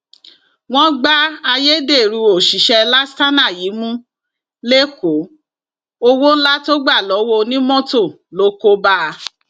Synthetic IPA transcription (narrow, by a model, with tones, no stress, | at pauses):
w̃ɔ̃˦ɡ͡ba˦a˧je˦de˦˨ɾu˧o˨ʃi˨˦ʃɛ˧la˦sta˦na˦˨jiː˨˦mũ˦ | le˦ko˨˦ | o˧wo˦n̩˦la˦to˦ɡ͡ba˦˨lɔ˨˦wo˧nĩ˦mɔ̃˦to˦˨ | lo˨˦ko˦ba˦˧